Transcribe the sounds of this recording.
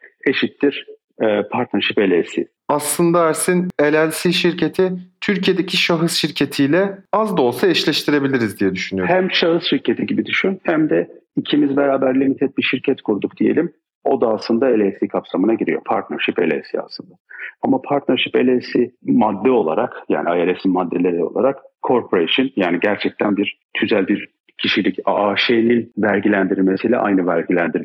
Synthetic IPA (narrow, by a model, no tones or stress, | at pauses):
e̞ʃit̪ːiɾ̥ | ɛːpʰaɾt̪nɛɾʃipe̞lʲesḭ | aslˠɯnd̪aæɾsine̞lʲælʲsiːʃiɾcʰe̞t̪ʰit̪ʰyɾcʰijed̪ecʰiʃaɦɯsʃiɾcʰe̞t̪ʰijlʲɛazd̪o̞lˠsaiʃlʲɛʃt̪ʰiɾe̞bilʲiɾizd̪ijɛd̪yʃynyjohæmʃaɦɯsʃiɾcʰe̞t̪ʰiɟibid̪yʃynhæmd̪ɛicʰimizbeɾaːbæɾlʲimit̪ʰɛt̪̚biʃiɾcʰɛt̪kʰuɾud̪uk̚d̪̥ije̞̰lʲim | o̞̰d̪aːslˠɯnd̪ae̞lʲesikʰapsamɯnaɟiɾḭjo̞̰pʰaɾt̪nɛɾʃipe̞lʲḛsḭa̰slˠɯnd̪aamapʰaɾt̪nɛɾʃipe̞lʲesimad̪ːɛo̞lˠa̰ɾakja̰ːniajeɾesinmad̪ːe̞lʲe̞ɾio̞̰lˠa̰ɾakkʰːo̞ɾpʰoɾeʃɯnjaːniɟæɾt͡ʃʰɛc̚t̪ʰænbiɾ̥ | t̪ʰyzælʲbiɾ | cʰiʃilʲicaaːʃejninvæɾʲɟilʲænd̪iɾɾme̞sijlʲɛ̰ʔa̰jnɯvæɾɟilʲænd̪iɾ